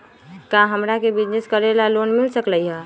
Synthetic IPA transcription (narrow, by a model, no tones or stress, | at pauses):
kaɦəmɾakebid͡ʒneskəɾelalonmilsəkləjɦɛ